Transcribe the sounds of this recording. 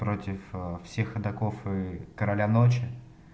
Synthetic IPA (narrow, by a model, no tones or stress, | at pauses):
pɾo̞tʲɪffsʲe̞xɐd̪ɐkofɨkəɾɐlʲanot͡ɕɪ